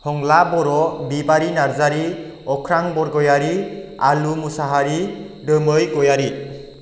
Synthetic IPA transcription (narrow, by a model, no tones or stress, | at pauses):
hɔŋlabɔɾɔbibaɾinaɾzaɾi | ɔkʰɾaŋbɔɾɡɔjaɾialumusaɦaɾi | dəmɯjɡɔjaɾi